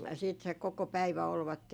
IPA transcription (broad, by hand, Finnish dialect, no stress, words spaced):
siːt se koko pæiʋæ olʋɑtːen